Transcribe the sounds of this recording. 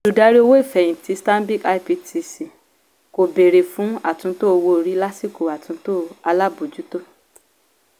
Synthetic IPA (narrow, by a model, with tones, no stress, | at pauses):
du˨da˧˦ɾi˦o˧wo˦i˦˨fɛ˨jĩ˨ti˨˦stã˦bi˦ka˧i˦pi˧tʰi˧si˨ | ko˨be˨ɾe˨fũ˨˦a˦˨tũ˧˦to˦o˧wo˧˨ɾi˨˦la˦si˦˨ko˨a˨tũ˧˦to˦a˧la˦bu˨d͡ʒu˨˦to˦